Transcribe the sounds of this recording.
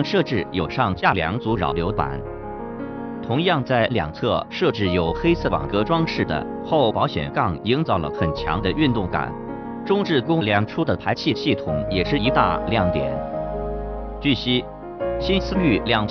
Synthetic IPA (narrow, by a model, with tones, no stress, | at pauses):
ŋʂɤ˥˧ʈ͡ʂɻ̩˥˩jo˨˩ʊʂɑ˥˧ŋt͡ɕja˥˩ljɑ̰˧˥ŋt͡su˧˥ɻɑ̰˨˩ʊljo˧˥ʊt̪wa̰˨˩˦n | t̪ʰʊ˧˥ŋjɑ˥˧ŋt͡sa˥˩ɪljɑ̰˨˩ŋt͡sʰɤ˥˧ʂɤ˥˧ʈ͡ʂɻ̩˥˩jo˨˩ʊxe˥ɪsʰɤ˥˩wɑ̰˨˩ŋkɤ˧˥ʈ͡ʂwɑ˥ŋʂɻ̩˥˩d̪ə̰˩ | xo˥˩ʊpɑ˧˥ʊɕjɛ̰˨˩nkɑ˥˩ŋi˧˥ŋt͡sɑ˥˩ʊlə̰˧˩xə˨˩nt͡ɕʰjɑ̰˧˥ŋd̪ə˧ʔy˥˧nt̪ʊ˥˩ŋka̰˨˩˦n | ʈ͡ʂʊ˥ŋʈ͡ʂɻ̩˥˩kʊ˥ŋ˩ljɑ˧˥ŋʈ͡ʂʰu˥d̪ə˨pʰa˧˥ɪt͡ɕʰi˥˧ɕi˥˩t̪ʰʊ˨˩˦ŋjɛ˨˩ʂɻ̩˥˩i˧˥t̪a̰˥˧ljɑ˥˩ŋt̪jɛ̰˨˩˦n | t͡ɕy˥˩ɕi˥ | ɕi˥nsɹ̩˥ly˥˩ljɑ˥˩ŋ